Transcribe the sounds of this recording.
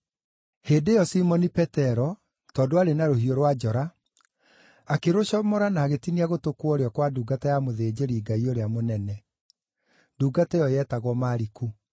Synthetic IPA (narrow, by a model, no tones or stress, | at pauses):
heːdejɔsimɔnipɛtɛɾɔ | tɔːdoaɾenaɾohioɾwad͡ʒɔɾa | akeɾoɕɔmɔɾanaːɣetiniaɣotokwɔɾeɔkwaduːɡatajamoðeːd͡ʑeɾiːɡaioɾeamonɛnɛ | duːɡatɛjɔjɛtaɣwɔmaːɾiku